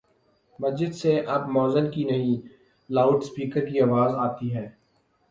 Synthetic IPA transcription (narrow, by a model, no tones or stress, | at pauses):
mɐsd͡ʒɪd̪seʔɐbmɔːzənkinɐɦĩ | laːʊʈspiːkəɾkiaːʋaːzaːt̪iɦɛː